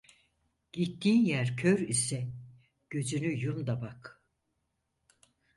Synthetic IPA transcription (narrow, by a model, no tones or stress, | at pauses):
ɟ̥it̪ʰːiːnjæɾcʰøɾisɛ | ɟ̥ø̞zynyjumd̪abak